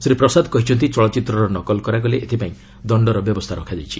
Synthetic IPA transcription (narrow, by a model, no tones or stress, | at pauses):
sɾipɾɔsad̪kɔɦit͡ʃʰɔnt̪̬it͡ʃɔɭɔt͡ʃit̪ɾɔɾɔnɔkɔlkɔɾaɡɔleʔet̪ʰipaĩ | d̪ɔɳɖɔɾɔbjɔbɔst̪ʰaɾɔ̰kʰad͡ʒajt͡ʃʰi̥